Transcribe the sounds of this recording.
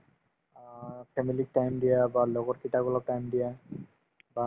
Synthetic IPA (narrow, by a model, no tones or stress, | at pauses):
pʰemilik̚ʈajmɖ̪iabalokoɾkiʈaɡɔlaʈajmɖ̪ija | ba